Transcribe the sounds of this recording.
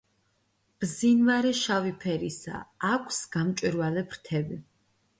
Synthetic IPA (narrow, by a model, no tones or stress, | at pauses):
b̥zinvaɾɛʃavipʰɛɾisa̰ːkʷʰsɡ̥amt͡ʃʼwiɾvalɛpʰɾt̪ʰɛbi